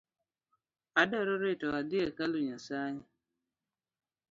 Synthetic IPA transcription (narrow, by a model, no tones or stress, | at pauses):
adɔɾoɾetɔad̪iekaluɲasaɲa